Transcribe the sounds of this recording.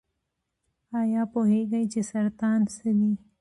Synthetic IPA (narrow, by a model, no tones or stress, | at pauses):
aːjaːpoɦeɡɐit͡ʃesɐɾt̪aːnsed̪iː